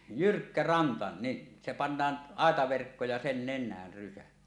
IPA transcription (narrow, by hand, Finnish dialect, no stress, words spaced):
jyrkːæ rɑntɑ ni se pɑnːɑːn ɑˑetɑʋerkːo jɑ sen nenˑæːr rysæ